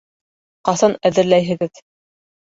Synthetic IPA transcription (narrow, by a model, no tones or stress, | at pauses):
qɑsɑnæðɘ̆ɾlæjɦɘ̆ɡɘð